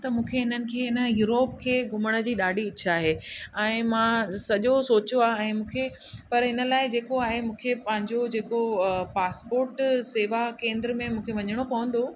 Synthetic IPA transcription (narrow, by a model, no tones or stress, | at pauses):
t̪ɐmũːkʰeɦɪnənɪ̆kʰeːɪnə̆juːɾoːp̚kʰeːɡʱʊməɽ̃ə̆d͡ʑiːɗaːɖʱiɪt͡ɕʰaːɦeɛ̃ːmãsɐʄosoːt͡ɕoaːɦɛ̃ːmũːkʰe | pɐɾɦɪnə̆laːɪd͡ʑeːkoaːɦemũːkʰepɐ̃ɦɪ̃ɲd͡ʑod͡ʑeːkopaːspoːɾʈseːʋakẽːnd̪ɾəmẽmũːkʰeʋɐɲəɽ̃opɐʋə̃nd̪o